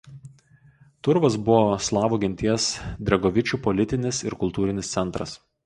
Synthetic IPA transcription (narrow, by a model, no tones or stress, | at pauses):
t̪ʊɾʋɐsbʊʋoːslˠɑːʋuɡʲɪnʲt̪ʲiɛsd̪ʲɾʲɛɡɔʋʲɪt͡ʃʲuːpɔlʲɪt̪ʲɪnʲɪsɪɾkʊlˠt̪uːɾʲɪnʲɪst̪sʲɛnˑt̪ɾɐs